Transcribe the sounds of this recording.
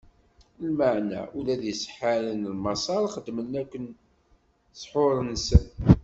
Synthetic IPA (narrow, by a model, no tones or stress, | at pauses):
lməʕnæ̰ulæðjəsə̥ħalənəlmɑsˤɑɾˤχəd̪məlnækʷːən | sˤħoɾˤənsən